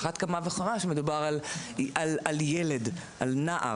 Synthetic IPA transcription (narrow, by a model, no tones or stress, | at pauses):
χat̪kamaveχamaʃemed̪ubaʁalalaljeledʔa̰lnaʔa̰